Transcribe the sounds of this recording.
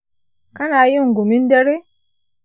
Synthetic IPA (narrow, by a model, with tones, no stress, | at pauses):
ka˦na˨˦ji˦˨ŋ˨ɡu˨mi˦n˦de˦ɾe˦